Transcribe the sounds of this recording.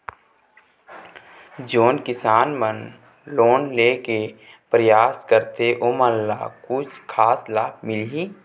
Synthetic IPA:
d͡ʒoːnkɪsaːnmən | loːnleːke | pɾəjaːskəɾt̪eʔoməlːaːkʊt͡ʃʰkʰaːslaːbmɪliː

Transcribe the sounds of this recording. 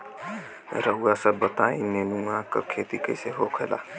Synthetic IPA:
ɾəɦuasəbbət̪aːĩnenuãkə̰kʰeːt̪ikəiseɦokʰəla̰ː

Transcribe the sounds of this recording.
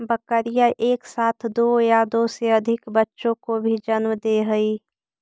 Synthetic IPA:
bəkəɾijaʔeːksaːt̪ʰd̪oːjad̪oːseəd̪ʱɪkbətːʃõkobʱid͡ʒənməd̪eɦəiː

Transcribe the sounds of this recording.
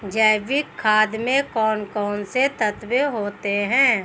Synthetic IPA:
d͡ʒəɪbikʰːaːd̪mẽkɔːnkɔːnset̪ət̪beɦoːt̪eɦɛ̃ː

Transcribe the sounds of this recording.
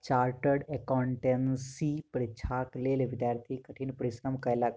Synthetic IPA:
t͡ʃaːɾʈəɽekawɳʈensipɾit͡ʃʰaːklelʋid̪jaːɾt̪ʰikəʈʰiːnpəɾisɾəmkəjlak

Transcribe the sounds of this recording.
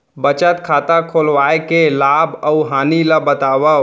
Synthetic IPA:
bət͡ʃət̪kʰat̪akʰolʋaekelabəuɦaniləbət̪aʋə

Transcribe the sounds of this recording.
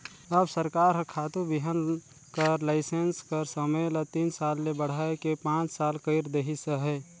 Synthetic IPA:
əbsəɾkaːɾɦəkʰaːt̪ubiɦən | kəɾlaɪsenskəɾsəmələt̪iːnsaːlːebəɽ̤aekepãːt͡ʃsalkəɪɾd̪eɦisəɦɛ

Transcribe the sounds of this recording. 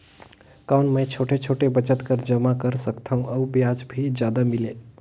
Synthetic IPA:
kawnmə̃t͡ʃʰoʈʰet͡ʃʰoʈebət͡ʃət̪kəɾd͡ʒəmakəɾsəkt̪ʰəũəubjad͡ʒbʱid͡ʒjad̪amile

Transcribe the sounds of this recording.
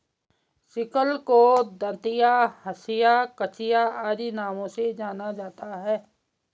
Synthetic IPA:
sɪkəlkod̪ət̪ɪjahəsɪjakət͡ʃɪjaaːɾinaːmõsed͡ʒaːnad͡ʒaːt̪aɦɛː

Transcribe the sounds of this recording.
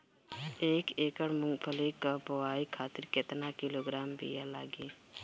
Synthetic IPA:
eːkeːkəɽmʊŋpʰəlikapəwaːikʰaːt̪ɪɾkɪt̪nakɪloːɡɾaːmbḭjala̰ːɡiː

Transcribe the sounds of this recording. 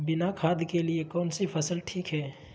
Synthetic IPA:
bɪnakʰaːd̪ʱkeliekɔːnsipʰəsəlʈʰiːkɦɛː

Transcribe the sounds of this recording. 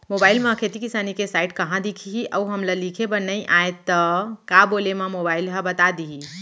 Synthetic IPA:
mobailmə̃kʰet̪ikisanikesaiʈkəɦãd̪ikʰiɦiʔəuɦəmləlikʰebənəjʔaet̪ːəkabolememobailɦə̃bət̪ad̪iɦi

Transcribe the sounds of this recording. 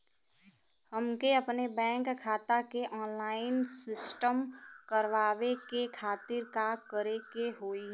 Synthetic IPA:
həmkeəpnebɛ̃ːŋkkʰːaːt̪akeʔɔːnlaːɪnsɪsʈəmkəɾʋaːʋekekʰaːt̪ɪɾkakəɾekeɦoːi

